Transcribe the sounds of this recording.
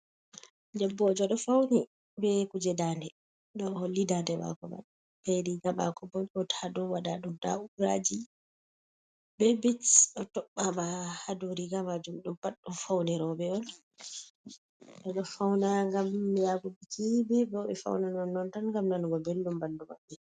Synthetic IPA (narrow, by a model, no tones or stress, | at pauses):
dɛbːɔd͡ʒɔɗɔfawni | bɛkud͡ʒɛdanɛ | ɗɔlidadɛba̰kɔ̰ba̰ɗa | b̥ɛɾiɡaba̰kɔbɔnɔtʰadɔwaɗaɗumda̰ubɾa̰d͡ʒi | bɛbitɗɔtɔɓːabahaduɾiɡamad͡ʒumɗumpaɗːumfawnɛɾɔbɛɔn | ɗɔɗɔfawnaŋɡamjaɡubikʰibɛbɛɔɓɛfa̰wnanɔnːɔntanŋɡamnanɡɔbelːumbalduma̰ɓːɛ